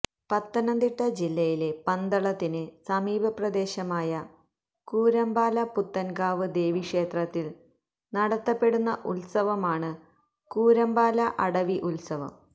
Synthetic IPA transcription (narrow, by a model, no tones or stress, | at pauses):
pɐt̪ːɐnɐnd̪iʈːɐd͡ʑilːɐjile̞pɐnd̪ɐɭɐt̪ːinɨsɐmiːbʱɐprɐd̪e̞ːɕɐmaːjɐ | kuːɾɐmbaːlɐput̪ːɐnɡaːʋɨd̪e̞ːʋikʂe̞ːt̪rɐt̪ːil | nɐɽɐt̪ːɐpːe̞ɽunːɐʔulsɐʋɐmaːɳɨ | kuːɾɐmbaːlɐʔɐɽɐʋiʔulsɐʋɐ̰m